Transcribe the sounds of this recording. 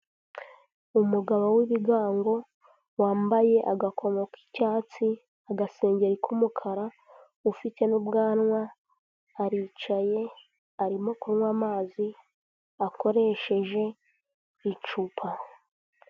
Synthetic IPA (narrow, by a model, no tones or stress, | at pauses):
umuɡaβowiβiɡaːŋɡo̞ | waːmbaje̞ʔaɡakʰo̞mo̞ki̥caːt͡si | aɡase̞ːɲɟe̞ɾikʰumukʰaɾa | ufite̞nubɡaːnŋwaː | ɾiːt͡ʃaje̞ | aɾimo̞kuɾwaːmaːzi | ako̞ɾe̞ʃe̞ʒe̞ | it͡ʃupʰa